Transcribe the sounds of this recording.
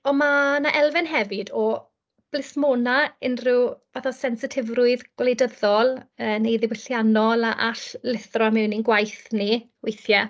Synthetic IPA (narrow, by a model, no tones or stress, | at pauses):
ɔmanaʔɛlˠvɛnɦɛvɨdɔ | b̥lɪsmoːnaɪnrɪwvaθɔsɛnsɪtʰɪvrʊɨðɡ̥wlejdəðɔlˠəːnejðɪwɪɬjanɔlˠaʔaɬlɪθrɔmɪwninɡwajθniwejθjɛ